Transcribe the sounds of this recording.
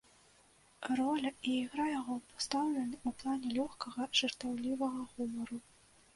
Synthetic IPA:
rɔlʲɐiːɣɾajaɣɔpast̪awlʲɛnʲiuplˠanʲɛlʲɔxkɐɣɐʐ̥ɨrt̪awlʲivɐɣɐɣumɐɾu

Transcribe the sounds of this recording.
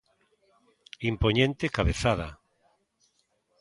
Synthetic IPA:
impoɲẽnt̪ekaβeθaða

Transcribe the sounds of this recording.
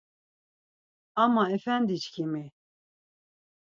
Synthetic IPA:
ɑmɑɛfænd̪it͡ʃkʰimi

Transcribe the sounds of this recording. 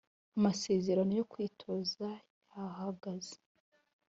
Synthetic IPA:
amase̞ːze̞ɾano̞jo̞kwiːtʰo̞zajahaɡaze̥

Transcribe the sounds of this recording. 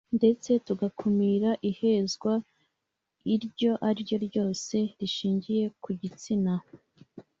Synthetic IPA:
nde̞t͡se̞tuɡakʰumiːɾaʔihe̞zɡwa | iɾɟo̞ʔaɾɟo̞ɾɟo̞ːse̞ɾiʃiːɲɟije̞kuɟit͡sina

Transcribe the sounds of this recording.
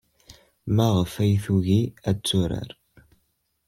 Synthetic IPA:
mæʁəfæjθuʝiæt͡sːʊɾa̰ɾ

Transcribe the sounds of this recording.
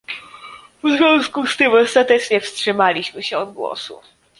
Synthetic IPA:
vzvʲjɔ̃skust̪ɘmɔst̪at̪ɛt͡ʂɲɛfstʂɘmalʲiɕmɘɕɛɔd̪̚ɡwɔ̰sṵ

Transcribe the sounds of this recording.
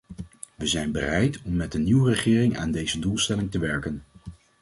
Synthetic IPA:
ʋəzɛjnbərɛjtɔmːɛt̚dəniwərəχɪːrɪŋa̰ːndejzədulˠstɛlɪŋtəʋɛɹkən

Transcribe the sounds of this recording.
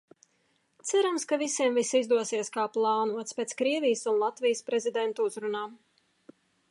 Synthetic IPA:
t̪sæɾamskavisiɛmvisizd̪uɔsiɛskaːplˠɑːnuɔt̪spɛːt̪skɾiɛvʲijsunlˠat̪vʲijspɾɛzʲid̪ɛnt̪uuzɾunaːm

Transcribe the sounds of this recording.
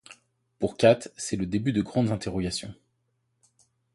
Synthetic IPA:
puʁkʲat̪sɛləd̪ebyd̪əɡʁɑ̃d̪zɛ̃t̪eʁɔɡasjɔ̰̃

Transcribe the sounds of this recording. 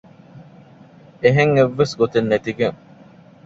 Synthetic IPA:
eɦeŋeʋːesɡot̪enːet̪iɡeŋ

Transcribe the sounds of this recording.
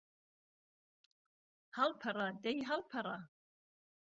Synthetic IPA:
halpʰaradajɦalpʰaɾa

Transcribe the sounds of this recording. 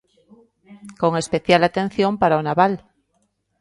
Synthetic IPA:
koŋe̞speθjalat̪ẽ̞n̟θjõmpaɾaonaβal

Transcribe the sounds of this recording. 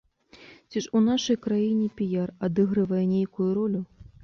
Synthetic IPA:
t͡sʲiʂunaʂɐjkɾajinʲɛpʲijarad̪ɨɣɾɨvɐjɛnʲejkujuɾɔlʲu

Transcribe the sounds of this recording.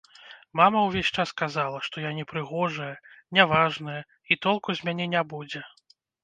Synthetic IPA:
mamɐwvʲesʲt͡ʂaskazalˠɐʂt̪ɔjanʲɛpɾɨɣɔʐɐjɐnʲavaʐnɐjɐ | it̪ɔlˠkuzʲmʲanʲɛnʲabud͡zʲɛ

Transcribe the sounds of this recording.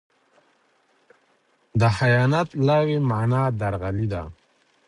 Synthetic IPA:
d̪əhajɑnat̪lɑwemanɑd̪aɾɣalid̪a̰

